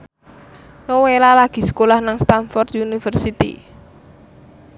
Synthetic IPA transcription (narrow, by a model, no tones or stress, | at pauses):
nowelalaɡ̥i̤sə̥kolahnaŋst̪anfɔrt̪unifərsit̪ḭ